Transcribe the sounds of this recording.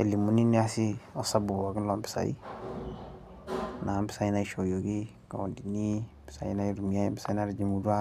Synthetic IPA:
ḛ˨li˨mu˨˦ni˦ni˦a˦si˦ɔ˦sa˦bu˨ba˨ɡi˦lɔ˦mpɪ̥˨sa̰˨jḭ˦ | na˨˦mbi̥˨sa˦ji˦naiʃo˨jo˨ɡi˦ | ka˨wo˨ndi˨ni˦ | pi̥˨sa̰˨i˦na˦iɾu˨mija˦jbi̥˦sa˦i˦naɾid͡ʒi˨mudu˦a˦

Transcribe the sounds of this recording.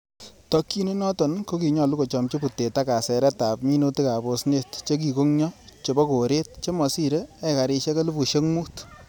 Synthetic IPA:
tɔ˦kːi˦nu˦nɔ˦tɔ˨nko˦ki˨ɲɔ˨lu˦ko˨t͡ʃɔ˨mt͡ʃe˦pu˨te˨ta˦ka˨sɛ˨ɾɛ˦ta˨pmi˦no˦ti˦ka˨bo˨sne˦tt͡ʃe˦k̬i˨ko˦ŋɲɔ˦t͡ʃe˨bɔ˦ko˨ɾe˦t̚t͡ʃe˦mɔ˨si˦ɾe˦ɛ˦ka˨ɾɪ˧ʃe˦ka˦lu˦bu˨ʃe˦ŋmuː˦t

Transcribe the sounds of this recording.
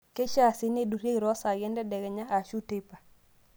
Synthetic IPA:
ke˦ʃa˦˨sɪ˦ne˦du˨ɾe˦ɡɾɔ˦sa˨ɡɛ˦ndɛ˦dɛ˨ɡɛ˨ɲa˦a˨ʃu˦te˦pa˨

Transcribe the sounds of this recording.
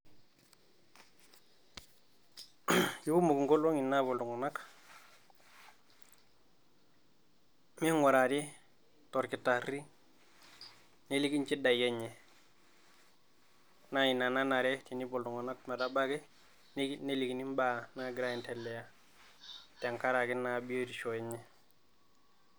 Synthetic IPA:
ju˦ku˦mu˨ɡu˨ŋɡo˦lo˦ŋi˨nːa˦bo˨ldu˨ŋo˨na˦k | me˦ŋwa˨ɾa˨di˦ | to˨ɾki˨tːa˨ɾi˦ | ne˦li˦ɡi˦nt͡ʃi˦da˨jɛ˦ɲɛ˨ | na˦i˨na˨na˦na˨ɾɛ˦ti˨ni˦bɔ˨ldu˨ŋa˨na˦kma˨da˦ba˦kɛ˦ | nne˦li˨ɡi˨ni˦mba˦˨na˦ɡi˨ɾa˦i˨ntɛ˨lːɛ˨ja˦ | te˨ŋka˦ɾa˨ɡi˦na˦bi˦jo˦ti˨ʃo˨jɛ˦ɲɛ˨

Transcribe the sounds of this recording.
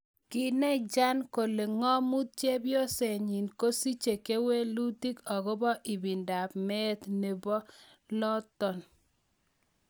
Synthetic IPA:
kɪ˦˨nɛ˦d͡ʒa˦nko˨le˨ŋɔ˦mu˦t̪̚t͡ʃe˦bjɔ˦se˨ɲi˨nko˦si˦t͡ʃe˨ke˦we˦lu˦ti˦kɔ˨ɡo˦bɔ˦ʔɪ˨bi˨nda˨pmɛ˦t̪ne˨bɔ˦ | lɔ˦tɔ˨n

